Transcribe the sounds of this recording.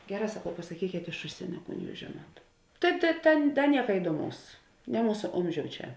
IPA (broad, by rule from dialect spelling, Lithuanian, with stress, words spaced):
ˈɡʲæːˌrɑː sɐˈkɐʊ pɐsɐˈkʲiːkʲeːt ɪʃ ˈʊʃʲsʲiɛnʲoː ˈkuːn ˈjuːs ˈʒʲeːˌnuɔt ˈtɐɪ tʲɛ ˈtʲɛn ˈtʲɛn ˈnʲiɛkɐ ɪduɔˈmɐʊs nʲɛ ˈmuːsɐ ˈoːmʲˌʒʲoːʊ ˈt͡ʃʲɛ